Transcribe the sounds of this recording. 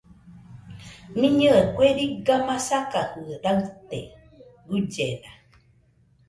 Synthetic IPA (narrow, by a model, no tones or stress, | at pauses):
mĩɲɨekʷweɾiɡamãsakahɨɾaɨt̪ḛ | ɡud͡ʒena